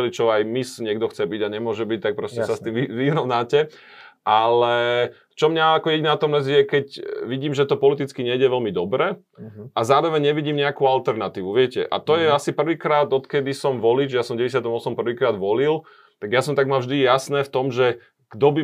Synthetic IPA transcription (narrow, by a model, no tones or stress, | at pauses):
lit͡ʃɔajmisɲɪɛɡd̪ɔxt͡sɛbiɟaɲɛmʊɔʒɛbic̚t̪ak̚pɾɔscɛsast̪imiʋiːɦɾɔnaːcɛ | ʔalɛ | t͡ʃɔmɲaakɔjɛɟinat̪ɔmlɛzijɛkɛcʋiɟiːmʒɛt̪ɔpɔlit̪it͡skiɲɛdɛʋɛlmid̪ɔbɾɛː | ʔazaːɾɔʋɛɲɲɛʋiɟiːmɲɛakualt̪ɛɾnat̪iːʋuʋɪɛcɛ̰ʔa̰t̪ɔjɛasipr̩ʋiːkɾaːd̪ɔt̪kɛd̪isɔmʋɔliːd͡ʒɛjasɔmɟɛɟɛs̬jat̪ɔmɔsɔmpr̩ʋiːkɾaːd̪ʋɔlil | t̪aɡjasɔmt̪aɡmaʒd̪ijasnɛːft̪ɔmʒɛ | ɡ̥d̪ɔbi